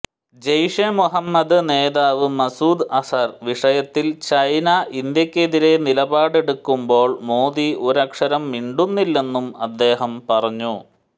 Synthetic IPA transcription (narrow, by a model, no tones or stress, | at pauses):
d͡ʑɐjʂemuɦɐmːɐd̪ɨne̞ːðaːʋɨmɐsuːd̪ɐsɐrʋiʂɐjɐt̪ːilt͡ɕɐjnɐʔind̪jɐkʲːe̞ðiɾe̞nilɐbaːɽe̞ɽukːumbo̞ːɭmo̞ːd̪iuɾɐkʂɐɾɐmːiɳɖunːilːe̞nːumɐd̪ːe̞ːɦɐmpɐrɐɲːu